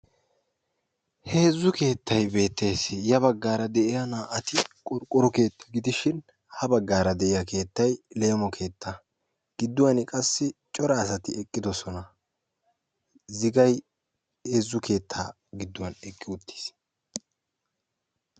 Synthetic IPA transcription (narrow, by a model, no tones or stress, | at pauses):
he̞ːzːʊke̞ːt̪ːɐjbe̞ːt̪ːeːsɪjɐβɐɡːaːɾɐd̪ɛʔɪjɐnaːʔɐt̪ɪkʼɔɾkʼʊɾɔke̞ːt̪ːɐ̥ɡɪd̪ɪʃɪn | hɐbɐɡːaːɾɐd̪ɛʔɪjɐke̞ːt̪ːɐjlejmɔkʰe̞ːt̪ːɐ | ɡ̥ɪd̪ːʊwɐnɪkʼɐsːɪt͡ʃʼɔɾɐːsɐt̪ɪɛkʼːɪd̪ɔsɔnɐ | zɪɡɐj | heːzːʊke̞ːt̪ʰːaː | ɡɪd̪ːʊwɐnɛkʼːɪʊt̪ʰːi̥s